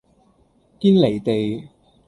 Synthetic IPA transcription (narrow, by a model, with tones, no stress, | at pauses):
kiː˥nle˨˩jt̪e˨j